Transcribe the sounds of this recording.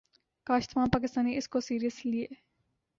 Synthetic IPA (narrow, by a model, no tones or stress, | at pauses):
kaːʃt̪ʰmãːnpaːk̬ɪst̪aːnːiɪskosiːɾijəslie